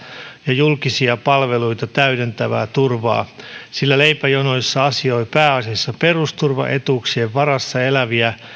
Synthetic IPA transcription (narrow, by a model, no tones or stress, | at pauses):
jɑjulkisiɑpɑlʋeluijt̪ɑt̪æyde̞nt̪æʋæ̰ːt̪urʋɑ̰ːsilːæle̞ipæjonoisːɑɑsio̞ipæːɑsiɑsːɑpe̞rust̪urʋɑ̰ʔe̞t̪uːksieʋʋɑɾɑsːɑe̞læʋiæ